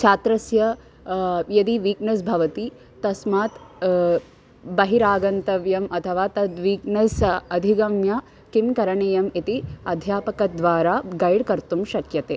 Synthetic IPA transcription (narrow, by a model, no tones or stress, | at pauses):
t͡ʃʰaːt̪ɾɐsjɐ | jɐd̪iʋiːknɐsbʱɐʋɐt̪i | t̪ɐsmaːt̪ | bɐɦiɾaːɡɐnt̪ɐʋjɐmɐt̪ʰɐʋaːt̪ɐd̪ʋiːknɐsɐd̪ʱiɡɐmjɐ | kimkɐɾɐɳejɐmit̪iɐd̪ʱjaːpɐkɐd̪ʋaːɾaːɡɐjɽkɐɾt̪umʃɐkjɐt̪eː